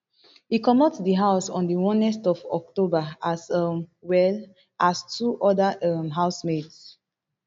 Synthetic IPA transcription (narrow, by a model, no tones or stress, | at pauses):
hikɔmɔtsdiɦaʊsɔ̃ndiwɔ̃nɛstɔfɔk̚tobaasʌmwɛl | ʔastʰuʔɔdaʌmɦaʊsmeds